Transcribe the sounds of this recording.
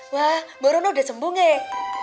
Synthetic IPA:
waboɾonoda̤səmbuŋe

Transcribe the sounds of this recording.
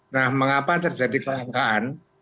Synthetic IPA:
nahməŋapat̪ərd͡ʒadikəlaŋkaʔan

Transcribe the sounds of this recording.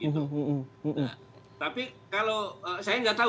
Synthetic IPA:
ɡiɦ̪um̩ʔ̩ | t̪apikaloəsajaŋɡat̪a

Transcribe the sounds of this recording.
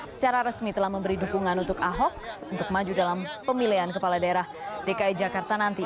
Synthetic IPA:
sə̥t͡ʃaɾaɾəsmit̪əlahməmbəɾidukuŋanunt̪ʊkaɦɔk̚sunt̪ʊk̚mad͡ʒudalampəmiliɦankəpaladaeɾah | dekaid͡ʒakart̪anant̪i

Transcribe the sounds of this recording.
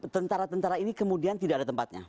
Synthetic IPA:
t̪ənt̪aɾat̪ənt̪aɾainikəmudiant̪idakadat̪əmpat̪̚ɲa̰

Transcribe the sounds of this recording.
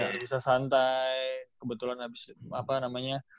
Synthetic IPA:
abisasant̪ajkəbət̪ulanabɪsapanamaɲa

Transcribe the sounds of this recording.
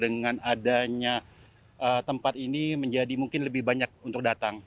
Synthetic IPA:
dəŋanadaɲa | ʔət̪əmpat̪iniməɲd͡ʒadimuŋkɪnləbɪhbaɲak̚unt̪ʊk̚dat̪aŋ

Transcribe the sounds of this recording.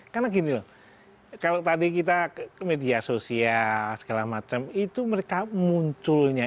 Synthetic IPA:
karnaɡinilɔh | kalot̪adikit̪̬amediasosialsə̥ɡalahmat͡ʃəmit̪uməɾekamuɲt͡ʃʊlɲa

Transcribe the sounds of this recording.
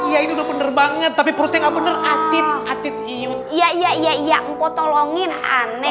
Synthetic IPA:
jainiudahbənərbaŋət̪ːapipəɾut̪aŋabənərat̪ɪt̪̚at̪ɪt̪̚iʊ | ijaijaijaijaʔŋkot̪oloŋɪna̰nɛ

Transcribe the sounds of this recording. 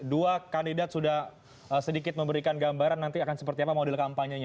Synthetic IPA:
duakandidat̪̚sudah | əsədikɪt̪̚məmbəɾikanɡambaɾanːant̪iakansəpərt̪iapamodɛlkampaɲaɲa

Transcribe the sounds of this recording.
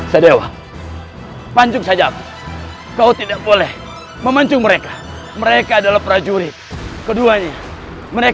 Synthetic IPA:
sədewa̰ŋ | paɲd͡ʒʊk̚sad͡ʒaːpa | kaut̪idak̚bolɛh | məmaɲt͡ʃʊŋməɾeka | məɾekaːdalahpəɾad͡ʒuɾɪt̪̚kəduaɲa | məɾe

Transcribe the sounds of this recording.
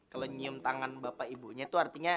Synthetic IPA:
kaloɲiʊmt̪aŋanbapaibuɲat̪uart̪iɲa

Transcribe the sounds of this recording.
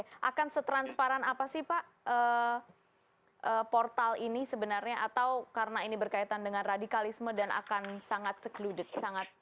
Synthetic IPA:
ʔa̰kansət̪ɾanspaɾanapasɪhpaʔ | əː | ʔəpɔrt̪alinisəbənarɲaʔat̪awkaɾənainibərkait̪andəŋanradikalismədanʔa̰kansaŋat̪̚səkludət̪̚saŋat̪̚

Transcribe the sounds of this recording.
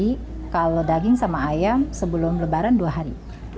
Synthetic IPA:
i | kalodaɡɪŋsamaːjamsəbəlʊmləbaɾanduaɦaɾḭ

